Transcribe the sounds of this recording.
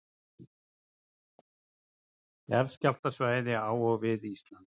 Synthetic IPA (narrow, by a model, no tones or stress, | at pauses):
ɛɾscal̥t̪asvaːjðɪaːwɔɣvɪðist̪lant̪